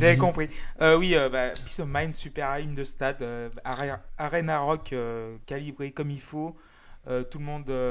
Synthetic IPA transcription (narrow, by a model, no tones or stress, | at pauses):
ʒavɛkɔ̃pχiøwiøbabisɔmajnsypɛʁaimd̪əst̪ad̪øaʁɛaʁenaʁɔkøkːalibʁekɔmilfo | øt̪ulmɔ̃d̪ø